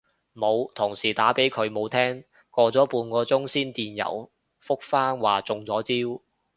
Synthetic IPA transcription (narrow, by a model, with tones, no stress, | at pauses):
mo˨˧wt̪ʰʊ˨˩ŋsiː˨˩t̪aː˨˥pe˨˥jkʰɵ˨˧ɥmo˨˧wt̪ʰɛː˥ŋ | kɔː˧t͡sɔː˨˥puː˧nkɔː˧t͡sʊ˥ŋsiː˥nt̪iː˨njɐ̰˨˩w | fʊ˥k̚faː˥nwaː˨˩t͡sʊ˨˧ŋt͡sɔː˨˥t͡siː˥w